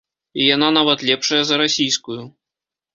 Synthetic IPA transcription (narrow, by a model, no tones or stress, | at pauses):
ijananavɐt̪lʲɛpʂɐjɐzɐɾasʲijskuju